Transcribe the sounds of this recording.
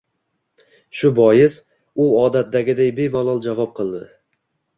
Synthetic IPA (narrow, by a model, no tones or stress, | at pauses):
ʃʊbɒjɪs | ʊɒd̪at̪̚d̪aɡʲɪd̪ajbe̞malˠɒlˠd͡ʒavɒp̚qʰɨlˠd̪ɪ̰